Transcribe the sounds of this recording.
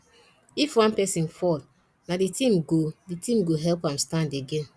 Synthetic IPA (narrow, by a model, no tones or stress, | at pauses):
ifwãnpɛsĩnfɔl | naditĩmɡoditĩmɡoɦɛlpãmstãndeɡẽn